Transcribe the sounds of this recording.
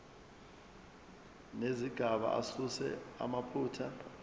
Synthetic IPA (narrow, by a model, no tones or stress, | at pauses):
neziɡ̥ʱaɓa̰ʔa̰susɛ̰a̰mapʰuːtʰa